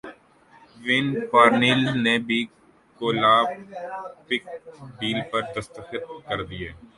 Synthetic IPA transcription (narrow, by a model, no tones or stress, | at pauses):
ʋɪnpaːɾniːlnebʱi | koːlaː | pɪk̚ɖiːlpɐɾd̪əst̪əxɪt̪̚kɐɾd̪ieː